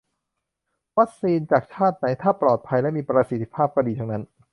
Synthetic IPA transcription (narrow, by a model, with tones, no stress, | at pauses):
wa˦˥k̚siː˧nt͡ɕaː˨˩k̚t͡ɕʰaː˥˩t̪̚na˩˥jt̪ʰaː˥˩pɾɔː˨˩t̪̚pʰa˧jlɛ˦˥miː˧pɾa˧si˨˩t̪ʰːi̥˦˥pʰaː˥˩p̚kɔ˥˩diː˧t̪ʰa˦˥ŋna˦˥n